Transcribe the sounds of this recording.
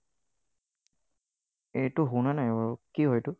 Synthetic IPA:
ejtʊɦunanajkiɦojtʊ

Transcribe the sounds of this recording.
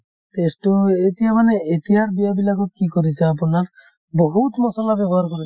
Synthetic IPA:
t̪esʈɔet̪ijamaneet̪iɦaɾbijabilaɡɔkikɔɾit͡ʃʰaap̬unaɾ | bɔɦut̪mɔsɔlabjɔbɔɦaɾkɔɾi

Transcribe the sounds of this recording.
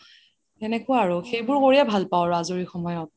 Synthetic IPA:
ɛnɛkʊaːɹʊxejbʊɹkoɹijabʱalpaʊɹazoɹixɔmɔjɔt̚

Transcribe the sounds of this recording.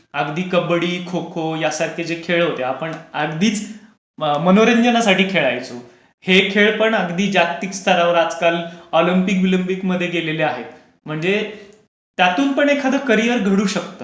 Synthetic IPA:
əɡd̪iːkəbɽiːkʰokʰojasaɾk̪ʰid͡zekʰeɭɦot̪eapəɳəɡd̪iːt͡s | mənoɾəɲd͡ʑənasaʈiːkʰeɭajt͡so | hekʰeɭpəɳəɡd̪iːd͡ʑakt̪ikst̪ʰəɾaʋəɾad͡zkalɔlimpikʋilimpikməd̪ʱːjeɡeleleaɦe | m̤əɳd͡ze | t̪jat̪uːnpəɳekʰad̪əkəɾijəɾɡʱəɽuːɕək̚t̪əː

